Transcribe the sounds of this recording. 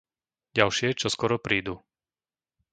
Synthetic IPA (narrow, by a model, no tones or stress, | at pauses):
ɟalʃɪɛt͡ʃɔskɔɾɔpɾiːd̪u